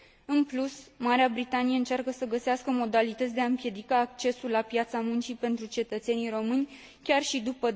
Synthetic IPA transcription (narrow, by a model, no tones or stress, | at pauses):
ɨnplusmaɾeabɾit̪anijeɨnt͡ʃarkəsəɡəseaskəmo̞d̪alit̪ət̪sʲd̪eaɨmpje̞d̪ikaːk̚t͡ʃe̞sulapjat̪samunt͡ʃipe̞nt̪ɾut͡ʃe̞t̪ət̪senijɾo̞mɨnʲ | kʲarʃid̪upə